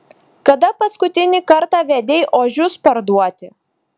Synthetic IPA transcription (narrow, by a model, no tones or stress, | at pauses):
kɐd̪ɐpɐskʊt̪ʲɪnʲɪkɐɾt̪ɑːʋʲɛd̪ʲeɪʔoːʒʲʊspɐɾd̪uɔt̪ʲɪ